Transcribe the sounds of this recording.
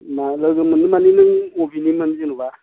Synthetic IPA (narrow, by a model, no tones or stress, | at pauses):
maləɡəmənumaninəŋobinimənd͡ʒinuba